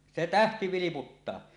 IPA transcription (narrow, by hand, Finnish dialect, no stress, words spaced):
se tæhti ʋiliputːɑː